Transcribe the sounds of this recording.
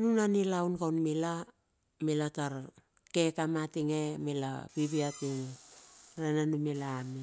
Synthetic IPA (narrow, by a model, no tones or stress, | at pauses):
nunanilawnkawnmila | milataɾ | kekamatiŋemela̰biβiatiŋ | ɾananumelaːmi